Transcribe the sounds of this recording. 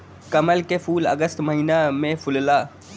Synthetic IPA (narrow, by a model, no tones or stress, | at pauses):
kəməlkefʰuːlə̰ɡəst̪məɦiːnamẽfʰʊllaː